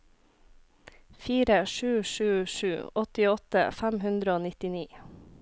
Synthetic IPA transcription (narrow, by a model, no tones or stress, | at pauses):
fiːɾəʃʉːʃʉːʃʉːɔt̪ɪɔt̪ə̰fæmhʉnd̪ɾəoːnɪt̪ɪniː